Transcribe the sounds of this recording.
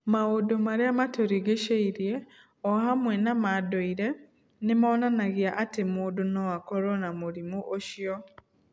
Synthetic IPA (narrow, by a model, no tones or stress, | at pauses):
maodomaɾeamatoɾiɣeʃeiɾje | ɔhamwɛnamadoiɾe | nɪmaɔnanaɣiaʔatemuːdunɔakɔɾɔnamoɾimuʔoʃjɔ